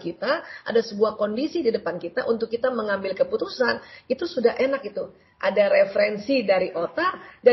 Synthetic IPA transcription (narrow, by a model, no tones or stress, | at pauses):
kit̪aʔa̰dasəbuahkondisididəpankit̪aʔunt̪ʊkːit̪aməŋambɪlkəput̪usanit̪usudaɦʔenak̚it̪u | ʔadaɾefɾɛnsidaɾiʔot̪ada